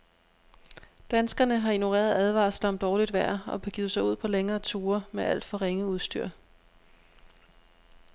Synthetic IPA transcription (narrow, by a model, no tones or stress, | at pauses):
d̥ænsɡ̥ɐnəɦɑ̈ino̝ʁḛːɐðˠæð̞ˠʋɑ̰̈ːsd̥ɑmd̥ɒːlid̥ʋæɐ̰ɒ̽b̥eɡ̥iːð̩ˠsɑ̈ɪuð̰ˠpʰɒ̽leŋɐːt͡sʰuːɐmeʔæl̰d̥fɒ̽ʁeŋəuð̞ˠsd̥y̰ɐ̰